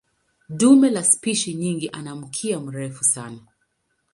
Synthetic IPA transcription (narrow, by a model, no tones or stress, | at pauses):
dumɛlaspiʃiɲiŋɡiʔanam̩kʰiam̩ɾɛfusana